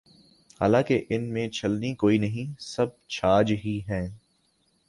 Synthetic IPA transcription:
haːlãːkeʔɪnmẽt͡ʃʰɐlnikoːinɐɦĩsɐb̚t͡ʃʰaːd͡ʒɦiɦɛ̃ː

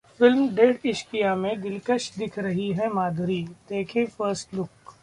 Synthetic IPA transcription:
fɪlmɖeːɖɪʃpijamẽɡɪlkəʃd̪ɪkʰɾɐɦiɦɛmaːd̪ʱɾid̪eːkʰẽfəɾsʈlʊk

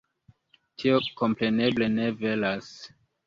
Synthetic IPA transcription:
tʰio̞ko̞mpɾe̞ne̞ble̞ne̞ve̞las

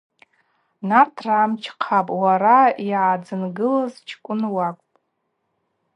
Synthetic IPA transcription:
nartʰraːmt͡ʃʰqʰapʼwaɾaiʕad͡zɨnɡɨlazt͡ʃʰkʷʼʊnwakʷʼpʼ

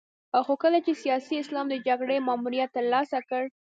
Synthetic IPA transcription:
axokəlat͡ʃesijɑsiɪslɑmd̪əd͡ʒaɡɽemɑmuɾijat̪ːəɾlɑsakəɽ

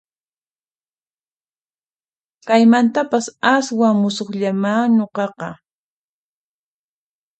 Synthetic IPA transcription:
kajmant̪apasaswaŋmʊsoχʎamaːɲoqɑqɑ

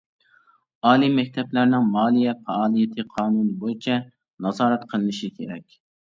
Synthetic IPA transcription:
ɑːlˠimɛk̚ʲt̪ʰɛplæɾnɪŋmɑːlˠijɛfɛɑːlˠijet̪ʰɨqʰɑːnunɨbojit͡ʃʰɛ | nɑzɑːɾɛt̪qʰəlˠɨnɪʃikʲʰḛɾɛkʲ

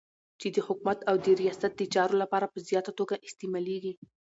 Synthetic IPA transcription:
t͡ʃed̪əhʊkmat̪awd̪əɾijɑsat̪̚d̪ət͡ʃɑɾolapɑɾapəzjɑt̪at̪oɡaʔɪst̪emɑleɡi

